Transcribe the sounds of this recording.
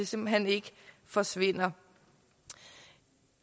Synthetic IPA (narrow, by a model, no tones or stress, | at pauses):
ese̝mb̥l̩ɦen̰e̝ɡ̥ə | fɒ̽sʋe̝n̰ɐ